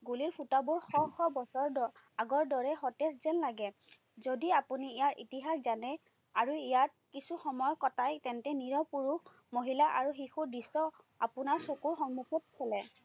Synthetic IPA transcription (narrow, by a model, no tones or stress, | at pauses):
ɡuliɹpʰutabuɹxɔxɔbɔsɔɹɔ | aɡɔɹdɔɹɛxɔtɛszɛnlaɡɛ | zodiapuniijaɹʔḭtiɦaxzanɛ | aɹuijat̚ | kisuxɔmɔjɔkɔtajtɛntɛniɹɔpuɹux | moɦilaʔa̰ɹuxixuɹdisːɔ | apunaɹsokuɹxɔŋmukʰɔt̚kʰɛlɛ